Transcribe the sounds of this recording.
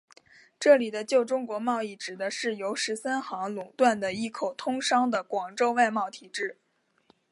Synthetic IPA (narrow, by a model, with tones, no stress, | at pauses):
ʈ͡ʂɤ˥˩li˨˩d̪ə˦t͡ɕjo˥˩ʊʈ͡ʂʊ˥ŋkwɔ˧˥mɑ˥˧ʊi˥˩ʈ͡ʂɻ̩˨˩d̪ə˦ʂɻ̩˥˩jo˧˥ʊʂɻ̩˧˥sa˥nxɑ˧˥ŋlʊ˨˩ŋt̪wa˥˩nd̪ə˩i˥˩kʰo˨˩ʊt̪ʰʊ˥ŋʂɑ˥ŋd̪ə˨kwɑ˨˩ŋʈ͡ʂo˥˧ʊwa˥˧ɪmɑ˥˩ʊt̪ʰi˨˩ʈ͡ʂɻ̩˥˩